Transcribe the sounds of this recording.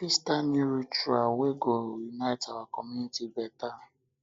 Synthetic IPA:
fistaniɾut͡ʃualweɡojunatawakɔmunitibɛta

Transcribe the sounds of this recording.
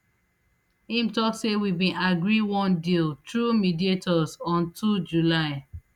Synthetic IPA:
ĩmtɔksewibĩʔaɡɹiwɔ̃ndiltɹumidietɔzɔ̃ntʰud͡ʒulaɪ

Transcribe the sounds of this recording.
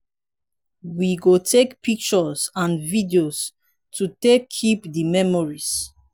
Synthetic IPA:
wiɡotʰekpik̚t͡ʃɔsãnvidios | tʰutekʰːipdimɛmɔɹis

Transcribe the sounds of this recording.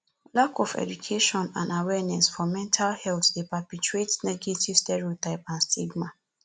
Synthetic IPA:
lakɔfɛ̰d͡ʒukʰeʃɔ̃nãnawɛnɛsfɔmɛ̃ntʰalhɛlt̪depapit͡ʃuetnɛɡetʰivstɛɹiotaɪpãnstʰiɡma

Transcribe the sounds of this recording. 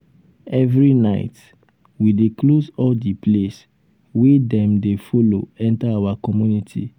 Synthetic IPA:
ɛvɹinaɪt | wideklosɔldiples | wedɛ̃mdefolo̰ɛ̃ntaawakɔmjunitʰḭ

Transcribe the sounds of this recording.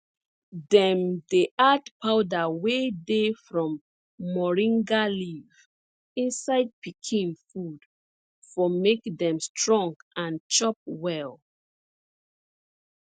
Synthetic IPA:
dɛ̃mdeʔatpʰaʊdawedefɹɔ̃mː | ɔɹĩŋɡaliv̥ | ĩnsaɪd̚pʰikʰĩnfud̥ | fɔmekdɛ̃mstʰɹɔ̃ŋɡãnt͡ʃɔp̚wɛl

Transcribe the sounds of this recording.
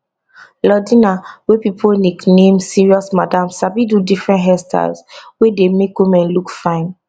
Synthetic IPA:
lɔdĩnawepipʰoniknẽmsiɹiɔsmadãmsabidudifɹɛ̃ntɦɛstʰa̰zwedemekwimɛ̃nlukfãɪ̃n

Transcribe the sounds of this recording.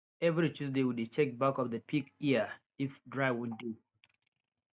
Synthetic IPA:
ɛvɾit͡ʃusdewudet͡ʃɛk̚bakɔfdəpʰikiə | ifdɹaɪwuddu

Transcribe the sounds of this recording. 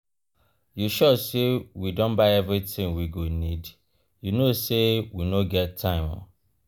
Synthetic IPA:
juʃɔsewidõnbaɪɛvɹitĩŋwiɡonid | junosewinoɡɛtʰːãɪ̃mɔ̰

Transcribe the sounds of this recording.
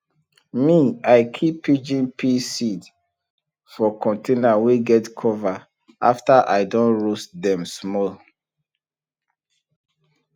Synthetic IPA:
miaɪkʰipʰːid͡ʒĩnpʰisid | fɔkʰɔ̃ntʰenaweɡɛtkʰɔva | ʔa̰ftaʔa̰ɪdɔ̃nɹostdɛ̃msmɔl

